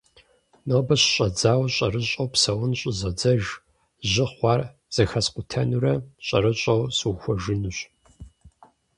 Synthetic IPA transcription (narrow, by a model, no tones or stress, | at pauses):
nɐbɐɕɕʼɐd͡zaːwɕʼɐɾɨɕʼɐwpsɐwʊnɕʼɪzɐd͡zɐʒ | ʑɪχʷɑːr | z̥ɐxɐsqʷʊtʰɐnuɾɐɕʼɐ̰ɾɨɕʼɐwsɨwxʷɔʒɨnuɕ